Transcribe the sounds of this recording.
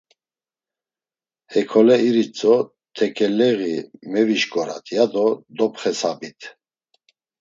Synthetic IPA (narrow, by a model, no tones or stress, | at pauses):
hɛkʰɔlɛiɾit͡sʼɔ | t̪ʰɛkʰɛlɛɣimɛviʃkʼɔɾa̰t̪ʰjad̪ɔd̪ɔpχɛsabit̪ʰ